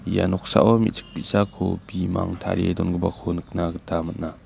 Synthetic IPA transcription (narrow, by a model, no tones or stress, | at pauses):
ja̰nɔk̚sa̰ʔɔmḭt̚t͡sʰɯ̥k̚pitsakʰobima̰ŋtʰa̰ɾedɔnɡɯbakʰonɯk̚naɡɯtʰamat̚na